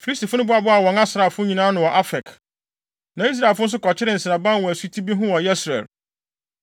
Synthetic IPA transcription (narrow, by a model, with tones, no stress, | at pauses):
fi˨li˦sti˨fʊ˦nʊ̃˦bʊ˦a˨bʊ˦a˨wɔ̃˨ŋa˦sɾa˨fʊ̃˦ɲĩ˨nãː˦nʊ̃˨wɔ˨ʔa˦fɛ˨k | nã˨i˦s̬ɾa˨e˨lfʊ̃˦n̩˦s̬ʊ˦kɔ˨t͡ɕʰɪ˦ɾɪ˦n̩˨sɪ˨nã˨bã˦nwɔ˨æ˨su˦tʰi˦bi˦ɦʊ̃˦wɔ˨jɛ˦sɾɛ̰˨l